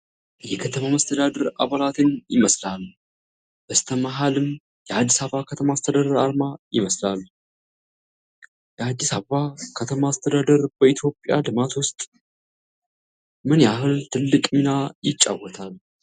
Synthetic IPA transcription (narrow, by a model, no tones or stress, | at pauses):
jɛkʰət̪ʰəmaməst̪ʰəd̪ad̪əɾa̰βalat̪ʰɨnjɪ̰məslal | b̥əst̪ʰəmaɦalɨm | jɛad̪ːisaakʰət̪ʰəmast̪ʰəd̪ad̪əɾaɾmajɪməslal | jɛad̪ːisaβəβakʰət̪ʰəmast̪ʰəd̪ad̪əɾbəit̪ʰjo̞pʼːja̰lɨmat̪wʊst̪ʼ | mɨnjaɦɨlt̪ʰɨlːɨkʼminajɪt͡ʃʼːa̰wɔt̪ʰal